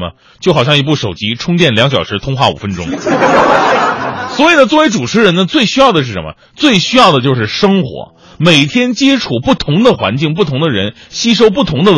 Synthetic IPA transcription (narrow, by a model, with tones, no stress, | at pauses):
ə̰˧ | t͡ɕjxɑ˨˩ʊɕjɑ˥˩ŋi˧˥p̬u˥˩ʂo˨˩ʊt͡ɕi˥ʈ͡ʂʰʊ˥ŋt͡ɕ̪jɛ˥˩nljɑ˧˥ŋɕjɑ˨˩ʊʂɻ̩˧˥t̪ʰʊ˥ŋxwa˥˩ṵ˨˩fə˥nʈ͡ʂʊ̰˥ŋ | swɔ˧˥i˨˩nə˦t͡swɔ˥˩ʋe˧˥ɪʈ͡ʂu˨˩ʈ͡ʂʰɻ̩˧˥ɻə˧˥nə˧t͡swe˥˩ɪɕy˥jɑ˥˩ʊd̪ə˩ʂ̬ɻ̩˥˩ʂə˧˥nmə̰˧ | t͡swe˥˩ɪɕy˥jɑ˥˩ʊd̪ə˩t͡ɕjo˥˧ʊʂ̬ɻ̩˥˩ʂɤ˥ŋxwɔ̰˧˥ | me˨˩ɪt̪ʰjɛ˥nt͡ɕjɛ˥ʈ͡ʂʰu˨˩pu˥˩t̪ʰʊ˧˥ŋd̪ə˧xwa̰˧˥nt͡ɕi˥˩ŋp̬u˥˩ʊ˧˥ŋd̪ə˧ɻə˧˥nɕi˥ʂ̬o˥ʊp̬u˥˩t̪ʰʊ˧˥ŋd̪ə˧